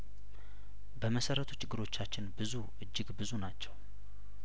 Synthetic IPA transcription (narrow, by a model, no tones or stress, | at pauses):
bəməsəɾət̪ʰu̥t͡ʃːɪɡːɨɾo̞t͡ʃːat͡ʃːɪnbɨzuʔɨd͡ʒːɪɡbɨzunat͡ʃːɛw